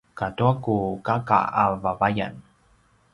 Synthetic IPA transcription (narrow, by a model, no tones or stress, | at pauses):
katuakukaka̰avavaja̰n